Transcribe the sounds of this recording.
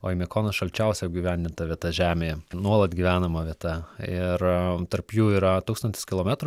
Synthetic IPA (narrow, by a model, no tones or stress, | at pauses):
oːimʲɛkoːnɐʃɐlʲt͡ʃʲɛʊsʲɛjɛɡʲiːʋʲænʲd̪ʲɪnt̪ɐʋʲiɛt̪ɐʒʲæːmʲeːjɛnuɔlˠɐt̪ɡʲiʋʲæːnɐmɐʋʲiɛt̪ɐɪrt̪ɐrpjuːiːɾɐt̪uːkst̪ɐnʲt̪ʲɪ̥skʲɪlˠoːmʲæt̪ɾʊ